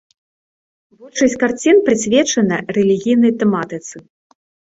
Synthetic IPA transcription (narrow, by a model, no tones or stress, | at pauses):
vut͡ʂɐsʲt͡sʲkart͡sʲinpɾɨsʲvʲɛt͡ʂɐnɐrɛlʲiɣʲijnɐjt̪ɛmat̪ɨt̪sɨ